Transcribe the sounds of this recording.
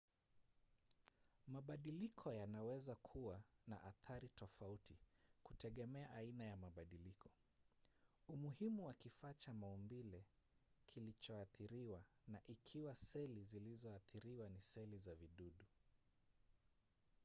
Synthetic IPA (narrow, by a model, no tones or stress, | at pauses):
maɓaɗilikʰɔjanawɛzakʰuwana̰ʔaθaɾitɔfautikutɛɠɛmɛaʔainajamaɓaɗilikʰɔ̥ | umuhimuwakifat͡ʃamaumbilɛ | kʰilit͡ʃɔaθiɾiwanaʔikʰiwasɛlizilizɔaθiɾiwanisɛlizaviɗuɗu